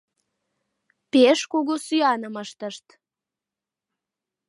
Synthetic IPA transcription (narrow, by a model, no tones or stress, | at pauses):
peʃkoɣosyɑnəməʃt̪əʃt̪